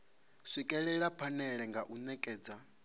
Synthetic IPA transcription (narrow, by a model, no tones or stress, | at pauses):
ʂʷikʼɛɺɛɺapʰanɛɺɛŋɡaʔunɛkʼɛːd͡za